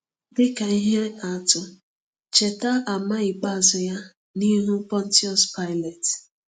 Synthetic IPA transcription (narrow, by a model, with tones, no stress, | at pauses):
dɪ˦ka˨i˦ɦe˦a˨tʊ˨ | t͡ʃe˨ta˦a˨ma˦i˨k͡pa˦˨zʊ˨ja˦ | ni˦ɦu˦pɔ˦n̩˦ti˦ɔ˦spa˦ɪ˦lɛ˨t